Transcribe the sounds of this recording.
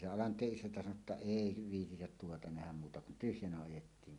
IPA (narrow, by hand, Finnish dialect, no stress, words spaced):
se ɑlɑntˑeːʔ ʔisæntæ sɑno tːɑ eˑi ʋiːtitæt tuotɑ næhæm muːtɑ kun tyhjænæ ɑjetːiːŋ